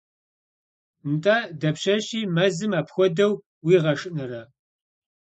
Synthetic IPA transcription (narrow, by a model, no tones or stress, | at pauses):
ntʼaːdɐpɕɐɕiːmɐzɨmaːpxʷɔdɐw | wiːʁɐʂʼɨnɨrɐ